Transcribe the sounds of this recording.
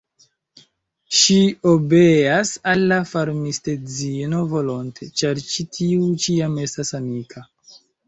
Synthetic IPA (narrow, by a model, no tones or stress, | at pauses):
ʃiobeasalːafaɾmiste̞d͡zino̞vo̞lo̞ntʰe̞t͡ʃaɾt͡ʃitʰiut͡ʃiame̞stasamikʰa